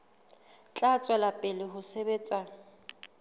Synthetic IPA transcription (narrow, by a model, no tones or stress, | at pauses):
t͡ɬʼat͡sʼwɛlapʼɪlɪɦʊsebeːt͡sʼa